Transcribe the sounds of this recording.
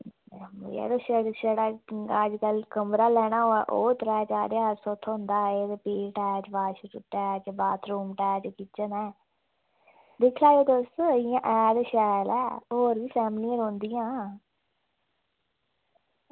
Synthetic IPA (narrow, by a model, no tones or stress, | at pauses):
m̰ɛ̰ːɾoːʃəɽʃəɽaːad͡ʒkəlkəmɾaːlɛːɽ̃aːɦoːɛ̰ːʔoːt̪əɾaːt͡ʃaːɾeaːɾsɔːt̪ʰːɦʊ̃nd̪aːeːʋeːpeːʈɛːt͡ʃbaːʃɾuʈɛːt͡ʃbaːt̪ʰɾuːmʈɛːt͡ʃkit͡ʃənɛː | d̪ɪkʰlaːeːt̪osɪjãːʔɛːd̪ʃɛːlɛ̰ːɦoːɾʋiːpʰɛːmliːəɾõːnd̪ijãː